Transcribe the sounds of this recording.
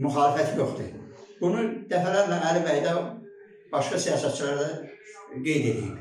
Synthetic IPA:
myxɑːlifæt̪ʰjoχd̪ɨb̥unud̪æfælæɾlænælibæjd̪ɑ | b̥ɑʃkɑsijɑːsæt̪̚t͡ʃʰilɑɾd̪ɑɡe̞jd̪ed̪ii

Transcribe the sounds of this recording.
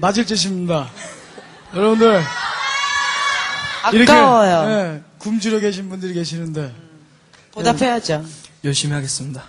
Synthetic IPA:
mad͡ʑiɭt͡ɕ͈eɕ̬ʰimbuɲda | jʌɾʌbundɯɭ | aiɾʌk͈awajone̞kumd͡ʑiɾoke̞ɕ̬ʰinbundɯɾike̞ɕʰinɯnde̞ | podapʰejad͡ʑojʌɭɕ͈imiɦaɡe̞s͈ɯmɲida

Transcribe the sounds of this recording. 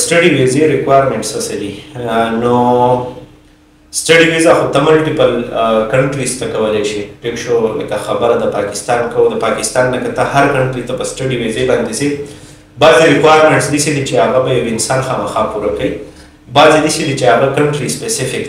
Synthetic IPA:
sʈaɖiwezeɾɪkwajɾmẽɳʈsasad̪ino | sʈaɽiwezaxot̪amʊlʈipəlkaɳʈɾist̪akawəleʃipekʃolakaxabəɾad̪əpɑkɪst̪ɑnkad̪əpɑkɪst̪ɑnlakat̪ahaɾkaɳʈɾit̪apəsʈaɖiwezebɑnd̪ese | bɑziɾɪkwajɾmeɳʈsd̪isid̪it͡ʃeaɣabajawɪnsɑnxɑməxɑpuɾakai | bɑzid̪isid̪it͡ʃeaɣakaɳʈɾispesɪfɪk

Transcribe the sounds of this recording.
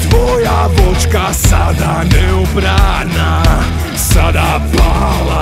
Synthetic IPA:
d̪vɔjabɔt͡ʃkasad̪anɛubɾa | na | sad̪a | pa | la

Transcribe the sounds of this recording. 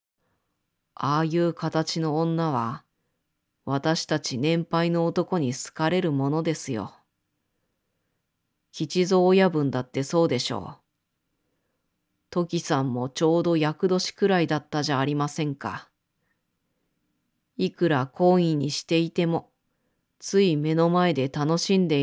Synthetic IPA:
aːjɯ̟ːkʰat̪at͡ɕinõ̞ːnːaβ̞a | β̞at̪aɕi̥t̪at͡ɕinẽ̞mpaino̞ːt̪o̞ko̞ɲ̟isɨ̥kaɾe̞ɾɯ̟mo̞no̞d̪e̞sɨjo̞̰ | kʲit͡ɕizo̞ːjabɯ̟̃nd̪at̪ːe̞so̞ːd̪e̞ɕo̞̰ː | t̪o̞kʲisãmːo̞t͡ɕo̞ːd̪o̞jakɯ̟d̪o̞ɕi̥kɯ̟ɾaid̪at̪ːaʑaːɾʲimasẽ̞ŋka̰ | ikɯ̟ɾakʰo̞ːĩɲ̟iɕi̥t̪e̞it̪e̞mo̞ | t͡sɨime̞no̞mae̞d̪e̞t̪ano̞ɕĩnd̪e̞

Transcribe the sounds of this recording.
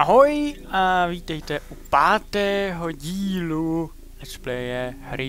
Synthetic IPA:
ʔaɦojʔaviːt̪ɛjt̪ɛʔupaːt̪ɛːɦo̞ɟiːlu | ɛt͡ʃplɛjɛɦɾɪ

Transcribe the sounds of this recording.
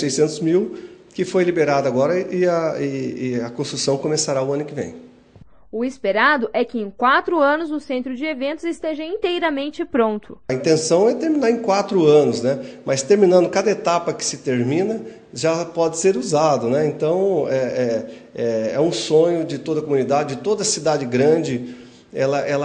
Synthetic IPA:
sejsẽnt̪ʊzmiwkɪfojlibeɾad̪ɐaɡɔɾɐʔɪɐɪɪɐkõst̪ɾusɐ̃w̃kõmesaɾaʊɐ̃nʊkɪvḛ̃j̃ | ʊɪspeɾad̪ʊʔɛkɪẽj̃kwat̪ɾʊɐ̃nʊzʊsẽnt̪ɾʊd͡ʒɪevẽnt̪ʊzɪst̪eʒɐĩnt̪ejɾɐmẽnt͡ʃɪpɾõnt̪ʊ̥ɐĩnt̪ẽsɐ̃w̃ɛt̪eɾmĩnaɾẽkwat̪ɾʊɐ̃nʊznɛmɐst̪eɾminɐ̃nd̪ʊkad̪ɐet̪apɐkɪ̥sɪt̪eɾmĩnɐ | ʒapɔd͡ʒ̪ɪseɾuzad̪ʊnɛẽnt̪ɐ̃w̃ɛɛ | ɛɛũsõɲʊd͡ʒɪt̪od̪ɐkomunid̪ad͡ʒɪd͡ʒɪt̪od̪ɐsid̪ad͡ʒɪɡɾɐ̃d͡ʒɪ | ɛlɐʔɛlɐ

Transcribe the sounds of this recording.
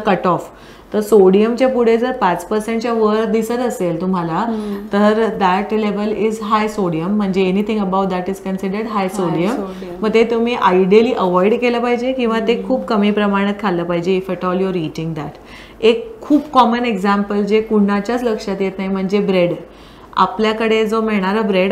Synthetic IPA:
kəʈɔf | t̪əɾsoɽijəmt͡ɕjapuɽ̤ed͡zəɾpat͡spəɾsẽɳʈ̚t͡ɕjaʋəɾd̪isəɾəselt̪um̤alat̪əɾd̪æʈleʋəlizɦajsoɽijəm̤ːəɳd͡zeːnit̪ʰĩŋɡəbawʈ̚d̪æʈizkənsiɖəɾɖɦajsoɽiəmː | əɡt̪et̪umiːʔaiɖiliːʔəʋɔiɽkeləpaɦid͡ʑekĩw̃ʋat̪ekʰuːbkəmiːpɾəmaɽ̃ət̪̚kʰalːəpaɦid͡ʑeifeʈɔljoɾiʈĩŋɡd̪aʈ | ekʰːuːbkɔməneɡd͡zãmpəld͡zekuɽnat͡ɕjat͡sləkʂat̪jet̪naɦjm̤əɳd͡zebɾeɽ | a̰pljakəɽed͡zomeɭɳ̃aɾəbɾeɽ

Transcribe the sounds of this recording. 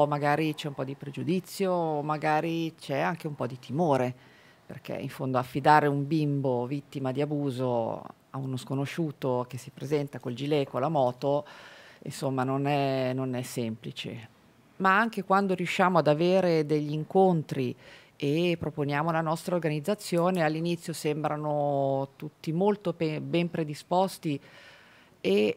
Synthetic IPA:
maɡaːɾit͡ʃɛumpɔd̪ipɾed͡ʒud̪it̪sːjoːmaɡaːɾit͡ʃɛaŋk̟eumpɔd̪it̪imoːɾe | pḛrk̟ḛḭɱfond̪oafːid̪aːɾeumbimbovit̪ːimad̪iabuːzo | a̰unoskonoʃuːt̪ok̟esipɾezɛnt̪akold͡ʒilekolamɔːt̪o | ḭnsomːanonɛnonɛsːɛmplit͡ʃḛ | maaŋkekwand̪oɾijuʃːaːmoad̪aveːɾed̪eʎːiŋkont̪ɾi | epːɾoponjaːmolanɔst̪ɾaorɡanid̪zːat̪sːjoːnealːinit̪sːjosembɾanot̪ut̪ːimolt̪opebɛmpɾed̪ispɔst̪i | e

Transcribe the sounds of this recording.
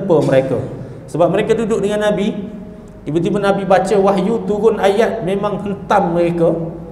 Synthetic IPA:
pəməɾeka̰ | səbap̚məɾekadudʊʔ̚dəŋanːabi | ibut̪ibənabibat͡ʃəwaɦjut̪uɣʊnajat̪̚memaŋhənt̪amːəɾeka

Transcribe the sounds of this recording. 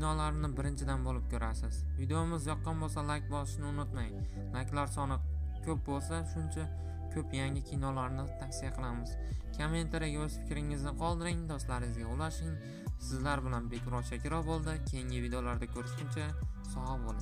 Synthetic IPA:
kʲnɒlaɾnɪbɪɾɪnt͡ʃʰɪd̪anbolɪp̚kʲɵɾʔasɪz̥ | vid̪ejomɪzjɒqːnbolˠsalak̚ʲbɒsɪ̥ʃnɪʊnʊt̪maj | lakʲlaɾsɒnɪkʲʰɵp̚bolˠsaʃʊnt͡ʃʰa | kʲʰɵpjaŋʲɪkʲʰinɒlaɾnɪt̪ʰaksijaqʰɨlˠamɪz̥ | kʲʰament̪ʰaɾaɡʲaɵsfɪ̥kʲɾɪŋɪznɪqʰɒlˠd̪ɪɾɪŋd̪ɒst̪laɾɪɪzɡʲaʊlaʃɪŋ | sɪzlaɾbɪlanbe̞kʲʰɾɒʃʰakʲɪɾɒbolˠd̪ɪkʲʰe̞jɪŋʲɪvid̪eolaɾd̪akʲʰɵɾɪʃʲɪnt͡ʃʰasɒabolˠa

